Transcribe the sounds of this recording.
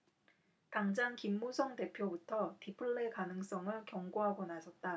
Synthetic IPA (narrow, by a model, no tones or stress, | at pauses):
kaŋd͡ʑaŋkimːusʰʌŋte̞pʰjobutʰʌtipʰɯɭːekanɯŋs͈ʌŋɯɭkjʌŋɡoɦaɡonasʰʌt̚t͈a